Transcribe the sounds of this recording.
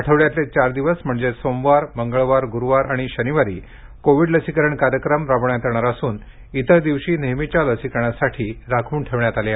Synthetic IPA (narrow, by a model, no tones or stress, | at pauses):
aʈʰəʋɭjat̪let͡ɕaɾd̪iʋəsm̤əɳd͡zesomʋaɾməŋɡəɭʋaɾɡuɾuʋaɾaɽ̃iɕəniʋaɾḭː | koʋiɖləsikəɾəɳkaɾjəkɾəmɾaʋɳjat̪əɳ̃aɾasuːn | it̪əd̪iʋɕiːnemit͡ɕjaləsikɳ̃asaʈʰiːɾakʰuːɳʈʰeʋɳjat̪alja